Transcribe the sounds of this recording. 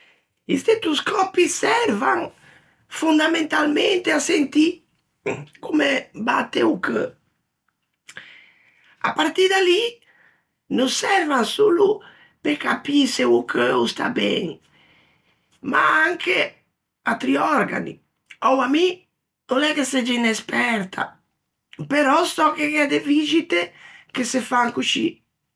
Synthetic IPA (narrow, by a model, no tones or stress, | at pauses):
ist̪et̪uskʰɔpisɛɾvaŋ | fund̪amẽnt̪alment̪easent̪i | kumebat̪ːeukə | a̰paɾt̪id̪ali | nusɛɾvaŋsulu | pekapiseukʰəust̪a̰bɛ̰ːni | ma̰aŋkʰe | at̪ɾiɔɾɡa̰nḭ | ɔwami | nonɛkːesɛd͡ʒiinespɛɾt̪ʰa̰ | peɾɔst̪ɔkekɛad̪evid͡ʒit̪ekesefaŋkut͡ʃḭ